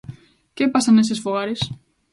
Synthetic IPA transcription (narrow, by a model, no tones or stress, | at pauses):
cepɐsɐnesesfoɣaɾis